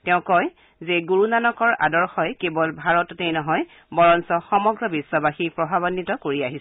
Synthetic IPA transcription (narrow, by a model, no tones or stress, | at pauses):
tɛʊ̃kɔj | zeɡuɹunanɔkɔɹa̰dɔɹxɔjkebɔlbʱaɹɔtɔtewnɔɦɔj | bɔɹɔnsɔxɔmɔɡɹɔbisːɔbaxipɹɔbʱabɔnːitɔkoɹiaɦis